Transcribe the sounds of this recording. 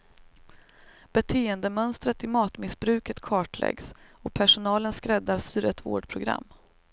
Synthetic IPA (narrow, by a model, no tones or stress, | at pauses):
b̥ɛt̪ʰeːənd̪əmœnst̪ɾət̪ɪmɑːt̪mɪsbɾʉ̟ːkət̪kʰɑːʈlɛ̰ɡsɔpʰæʂʊnɑːlənskɾɛd̪ːaɾsyːɾət̪vo̰ːɖpʰɾʊɡɾa̰mː